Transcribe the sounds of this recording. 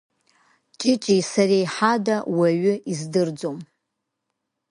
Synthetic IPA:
t͡ʃʼɪt͡ʃʼisarejħadawaɥʏʔizdɨrd͡zom

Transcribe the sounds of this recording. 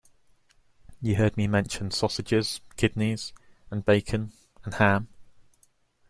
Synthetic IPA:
jəɦɜːd̚mimɛ̃nʃə̃nsɒsɪd͡ʒɪz̥kʰɪdⁿniz̥ə̃nbeɪkʰə̃n | ə̃nhãm

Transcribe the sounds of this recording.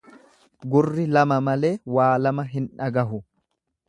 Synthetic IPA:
ɡʊrːɪlɐmɐmɐle̞ːwaːlɐmɐɦɪnᶑɐɡɐɦʊ

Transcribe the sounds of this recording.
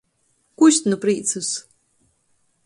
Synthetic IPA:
kuʃt̪nupɾiːt̪sus

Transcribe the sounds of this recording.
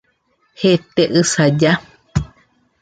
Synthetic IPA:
het̪eʔɨsad͡ʒa

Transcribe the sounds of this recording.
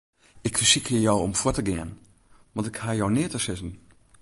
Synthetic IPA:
ɪkfəsikəjɔwɔmfɔtəɡɪən | ʋɑ̃ntɪkhajɔwnɪətəsɪzən̩

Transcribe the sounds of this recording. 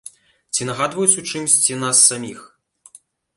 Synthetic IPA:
t͡sʲinɐɣad̪vɐjut͡sʲut͡ʂɨmsʲt͡sʲinasːamʲix

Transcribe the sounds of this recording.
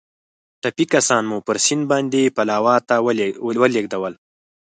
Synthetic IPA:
ʈapikasɑnmupəɾsɪnbɑnd̪epalɑːwɑt̪awəleɡd̪awəl

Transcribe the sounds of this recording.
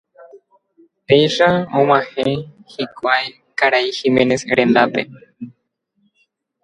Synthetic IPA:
p̪ejʃaõmãhẽhikʷaj | kaɾaihimẽnesɾend̪apḛ

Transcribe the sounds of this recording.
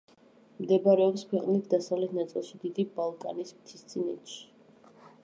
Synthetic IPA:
md̪ɛbaɾɛɔpskʰwɛqʼnit̪ʰd̪asavlɛt̪ʰnat̪sʼɔ̰lˠʃid̪id̪ibalˠkʼa̰nismt̪ʰist̪sʼinɛ̰t͡ʃ̪ʰ

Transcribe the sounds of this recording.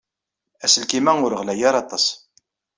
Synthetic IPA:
æsəlkimæʊɾəʁlæjaɾˤɑt̪ˤɑsˤ

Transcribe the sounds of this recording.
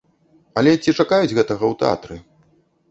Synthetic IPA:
ɐlʲɛt͡sʲit͡ʂakajud͡zʲɣɛt̪ɐɣɐwt̪ɛa̰t̪ɾɨ

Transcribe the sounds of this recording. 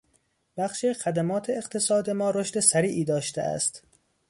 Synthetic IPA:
b̥æxʃexæd̪æmɒːt̪ʰeːqt̪ʰe̞sɒːd̪e̞mɒːɾoʃt̪esæɾiːʔiːd̪ɒːʃt̪ḛʔæ̰st̪

